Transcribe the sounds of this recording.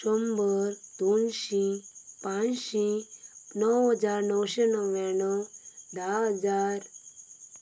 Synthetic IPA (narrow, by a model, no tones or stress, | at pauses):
ɕɔmbəɾd̪unɕĩpãnɕinəwɦəd͡zaɾnəwɕenɔwʋãnɔd̪aɦəd͡zaɾ